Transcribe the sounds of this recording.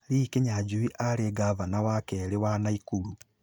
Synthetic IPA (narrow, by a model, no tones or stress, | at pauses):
liːkeɲad͡ʒuiʔaɾeɡavanawakɛɾewanaikulu